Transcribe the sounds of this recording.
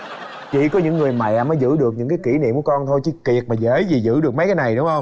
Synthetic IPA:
t͡ɕḭ˧˨kɔ˨˦ɲɨ̰˧˥ŋːɨ˨˩əjma̰˧˨ʔa˨˩məː˨˦jzɨ̰˧˥ɗɨ˨˩ək̚ɲɨ̰˧˥ŋkaː˨˦jki˧˩nḭ˧˨mku˧˩əkɔ˧nt̪ʰo˧jt͡ɕi˧˦ki˨˩ət̚maː˨˩zə˧˦jzi˨˩zɨ̰˧˥ɗɨ˨˩ək̚ma˨˦jkaː˨˦jna˨˩jɗʊ˨˦ŋ͡mhə˧wŋ͡m

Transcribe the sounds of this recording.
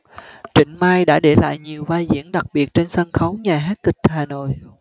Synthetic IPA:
t͡ɕï˧˩ŋ̟maː˧jɗa̰ː˧˥ɗe˧˩la̰ː˧˨jɲi˨˩əwvaː˧jzḭ˧˥ənɗa˨˩k̚ɓi˨˩ət̚t͡ɕe˧nsə˧nxə˨˦wɲaː˨˩ɦaː˦˥t̚kï˨˩k̚haː˨˩no̰˧˨j

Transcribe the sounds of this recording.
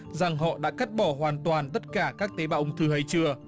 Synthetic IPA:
za˨˩ŋɦɔ̰˧˨ɗa̰ː˧˥ka˦˥t̚ɓɔ˧˩ɦwaː˨˩nt̪waː˨˩nt̪ə˦˥t̚kaː˧˩kaː˦˥k̚t̪e˨˦ɓaː˧˨ʔʊ˧ŋ͡mt̪ʰɨ˧ɦa˧jt͡ɕɨ˧ə

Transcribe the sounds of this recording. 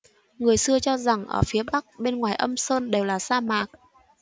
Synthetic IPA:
ŋɨ˨˩əjsɨ˧ət͡ɕɔ˧za˨˩ŋʔə̰ː˧˩fi˨˦əɓa˦˥k̚ɓe˧nŋwaː˨˩jʔə˧msəː˧nɗe˨˩wlaː˨˩saː˧maː˨˩k̚

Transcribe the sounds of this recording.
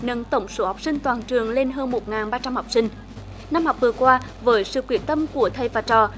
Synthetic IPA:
nə˧˦nt̪ə˧˩wŋ͡mso˨˦ha˨˩wk͡p̚sï˧ŋ̟t̪waː˨˩nt͡ɕɨ˨˩əŋle˧nɦəː˧nmo˨˩t̚ŋaː˨˩nɓaː˧t͡ɕa˧mhɔ˨˩wk͡p̚sï˧ŋ̟ | na˧mhɔ˨˩wk͡p̚vɨ˨˩əkwaː˧vəː˨˦jsɨ̰˧˨kwi˧˩˦ənt̪ə˧mku˧˩ət̪ʰə˨˩jvaː˨˩t͡ɕɔ˨˩

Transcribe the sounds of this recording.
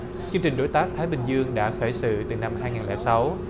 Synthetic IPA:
t͡ɕɨ˧əŋt͡ɕï˨˩ŋ̟ɗo˨˦jt̪aː˦˥k̚t̪ʰaː˨˦jɓï˨˩ŋ̟zɨ˧əŋɗa̰ː˧˥xəː˧˩jsɨ̰˧˨t̪ɨ˨˩na˧mhaː˧jŋaː˨˩nlɛ̰˧˩sa˨˦w

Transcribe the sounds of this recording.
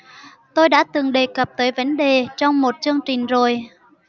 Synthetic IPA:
t̪o˧jɗa̰ː˧˥t̪ɨ˨˩ŋɗe˨˩kə˨˩p̚t̪əː˨˦jvə˨˦nɗe˨˩t͡ɕɔ˧wŋ͡mmo˨˩t̚t͡ɕɨ˧əŋt͡ɕï˨˩ŋ̟zo˨˩j

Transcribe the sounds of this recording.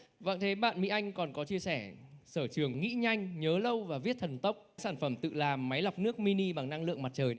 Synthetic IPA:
və̰˧˨ŋt̪ʰe˨˦ɓa̰ː˧˨nmḭ˧˥ʔa˧jŋ̟kɔ˨˩nkɔ˨˦t͡ɕi˧əsɛ˧˩səː˧˩t͡ɕɨ˨˩əŋːḭ˧˥ɲa˧jŋ̟ɲəː˨˦lə˧wvaː˨˩vi˦˥ət̚t̪ʰə˨˩nt̪ə˦˥wk͡p̚saː˧˩nfə˧˩mt̪ɨ̰˧˨laː˨˩mːa˨˦jla˨˩wk͡p̚nɨ˦˥ək̚mi˧ni˧ɓa˨˩ŋna˧ŋlɨ̰˧əŋma˨˩t̚t͡ɕəː˨˩j

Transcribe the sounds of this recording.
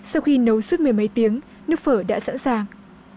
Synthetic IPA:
sa˧wxi˧nə˨˦wsu˦˥t̚mɨ˨˩əjmə˨˦jt̪i˨˦əŋ | nɨ˦˥ək̚fəː˧˩ɗa̰ː˧˥sa̰ː˧˥nsaː˨˩ŋ

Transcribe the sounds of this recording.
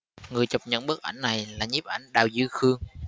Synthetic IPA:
ŋɨ˨˩əjt͡ɕə˨˩wp̚ɲə̰˧˨nɓɨ˦˥t̚ʔa̰˧˩jŋ̟na˨˩jlaː˨˩ɲi˦˥p̚ʔa˧˩jŋ̟ɗaː˨˩wzɨ˧xɨ˧əŋ

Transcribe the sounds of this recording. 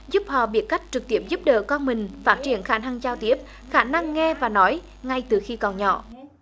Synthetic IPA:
zu˦˥p̚hɔ̰˧˨ɓi˨˦˥ət̚ka˦˥jk̟̚t͡ɕɨ˨˩k̚t̪i˦˥əp̚zu˦˥p̚ɗə̰ː˧˨kɔ˧nmï˨˩ŋ̟faː˦˥t̚t͡ɕi˧˩ənxaː˧˩na˧ŋt͡ɕaː˧wt̪i˦˥əp̚ | xaː˧˩na˧ŋːɛ˧vaː˨˩nɔ˨˦j | ŋa˧jt̪ɨ˨˩xi˧kɔ˨˩nɲɔ̰˧˨

